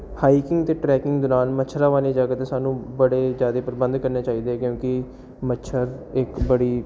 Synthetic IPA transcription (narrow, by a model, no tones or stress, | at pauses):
haːikɪ̃ŋɡt̪eːʈɾɛːkɪ̃ŋɡd̪ʊɾaːnmət͡ʃʰɾaːʋaːleːd͡ʒaːɡət̪eːsaːnũːbəɽeːd͡ʒjaːd̪eːpəɾbə̃nd̪kəɾneːt͡ʃaːiːd̪eːɛːkjõːkɪ | mətːʃʰəɾɪkbəɽiː